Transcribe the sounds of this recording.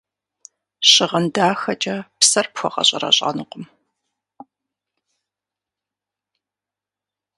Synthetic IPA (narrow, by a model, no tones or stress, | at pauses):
ɕɪʁɐndaːxɐt͡ʃʼɐpsɐrpxʷɔʁɐ̰ɕʼɐrɐ̰ɕʼa̰nɨqʷʊm